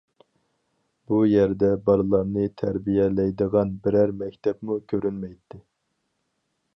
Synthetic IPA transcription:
b̥ujɛɾd̪ɛbɑɾlˠɑɾnɨt̪ʰæɾbijɛlɛjd̪əʁɑnbɪɾæɾmɛkʲt̪ʰɛpmukʲʰøɾynmɛjt̪ʰːɪ

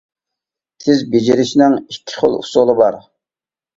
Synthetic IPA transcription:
t̪ʰɪzbed͡ʒiɾɪʃɪnɪŋikʲʰːi̥χo̰lˠṵsolˠɨbɑɾ

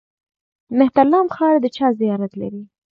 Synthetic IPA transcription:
mɪht̪alːɑmxɑɾd̪ət͡ʃɑzijɑɾat̪la̰ɾi

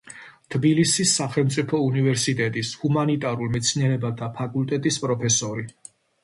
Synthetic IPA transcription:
t̪ʰbilisisːaχɛlˠmt̪sʼipʰɔunivɛɾsit̪ʼɛt̪ʼishumanit̪ʼaɾulˠmɛt̪sʰniɛɾɛbad̪apʰakʼult̪ʼɛt̪ʼispʼɾɔpʰɛsɔɾi

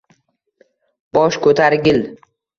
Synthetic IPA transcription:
b̥ɒʃkʰɵt̪ʰaɾɡʲɪl

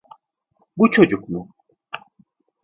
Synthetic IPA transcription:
but͡ʃʰo̞d͡ʒukmu

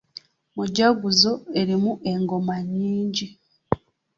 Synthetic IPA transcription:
muɟaɡuzo̞e̞ɾimuʔe̞ŋɡo̞maɲːiːɲɟi

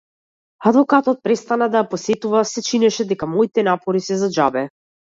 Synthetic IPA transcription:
ad̪vɔkat̪ɔt̪̚pɾɛst̪anad̪ajapɔsɛt̪uvasɛt͡ʃinɛʃɛd̪ɛkamɔit̪ɛnapɔɾisɛzad͡ʒabɛ

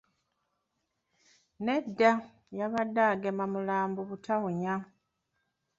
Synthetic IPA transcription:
ne̞dːa | jaβadaːɡemamulaːmbuβutʰawuɲa

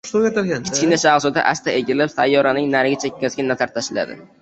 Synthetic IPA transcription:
ʃʊpjat̪aɾɡʲankʲʰɪ̥t͡ʃkʲɪnaʃaχsʊd̪a̰ʔast̪ʰaeɡʲɪlɪpsajːɒɾanɪŋnaɾɡʲɪt͡ʃʰakʲːazɡʲɪnːat̪ʰaɾt̪ʰaʃɪla̰d̪ɪ̰

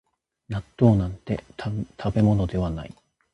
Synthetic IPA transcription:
nat̪ːo̞ːnãnt̪e̞̰t̪ʰabe̞mo̞no̞d̪e̞βana̰i

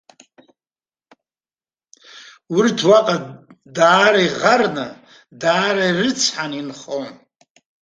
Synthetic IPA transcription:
wurtʰwaqʼa | daːɾaiʁarnɨ̰ | daːɾairɨt͡sʰħaninχon

